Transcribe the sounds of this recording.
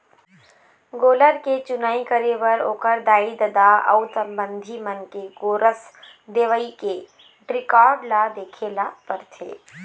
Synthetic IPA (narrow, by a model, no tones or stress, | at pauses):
ɡoːləɾket͡ʃʊnaːikəɾeʋəɾo̰ːkəɾd̪aːid̪əd̪aɐ̰ʊsə̃mbə̃nd̪ʱimənkeɡoːɾəs | d̪eːʋəike | ʈɾɪkɔːɾɖlad̪eːkʰelapəɾt̪ʰḛː